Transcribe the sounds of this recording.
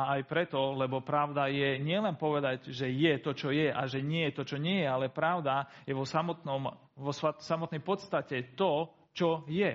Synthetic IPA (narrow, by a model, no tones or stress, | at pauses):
aajpɾɛt̪ɔlɛbɔpɾaʊd̪ajɛɲɪɛlɛnpɔʋɛd̪aɟʒɛjɛt̪ɔt͡ʃɔjɛʔaʒɛɲɪɛjɛt̪ɔt͡ʃɔɲɪɛjɛalɛpɾaʊd̪ajɛʋɔsamɔt̪nɔm | ɔsasamɔt̪nɛjpɔt̪st̪acɛt̪ɔ | t͡ʃɔjɛ